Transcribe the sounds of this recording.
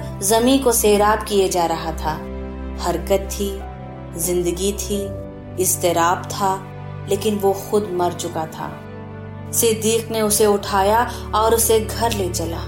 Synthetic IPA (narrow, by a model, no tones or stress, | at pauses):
zɐmĩkoseːɾaːb̚kijad͡ʒaːɾɐɦat̪ʰaː | hɐɾkət̪ʰːi | zɪ̃nd̪əɡit̪ʰi | ɪst̪eɾaːb̚t̪ʰa | leːkɪnʋoxʊd̪mɐɾt͡ʃʊkat̪ʰa̰ː | sɪd̪iːqneʊseʊʈʰaːja | ɔːɾʊseɡʱɐɾleːt͡ʃɐlaː